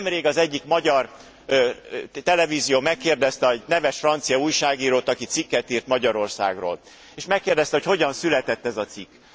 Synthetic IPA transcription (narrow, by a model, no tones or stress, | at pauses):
mreːɡɒzɛɟːikmɒɟɒr | t̪ɛlɛviːzijoːmɛkːeːrd̪ɛst̪ɛɒɟnɛvɛʃfrɒnt̪sijɒuːjʃaːɡiːɾoːt̪ɒkit̪sikːɛt̪iːrt̪mɒɟɒɾo̞rsa̰ːɡro̰ːl | eːʃmɛkːeːrd̪ɛst̪ɛhocho̞ɟɒnsylɛt̪ɛt̪ːɛzɒt̪sikː